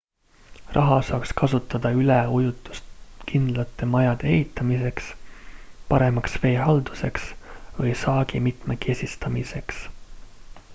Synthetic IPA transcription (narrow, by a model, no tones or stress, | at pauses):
rɑɦɑsɑːkskɑsut̪ːˑɑd̪̥ɑyleujut̪ˑːu̥st̪kind̪̥lɑt̪ːˑe̞mɑjɑd̪̥eḛɦit̪ːˑɑmise̞ks | pɑɾe̞mɑksve̞ːɦɑld̪̥use̞ksvɤjsɑːɡ̥imit̪meke̞sʲist̪ɑmise̞ks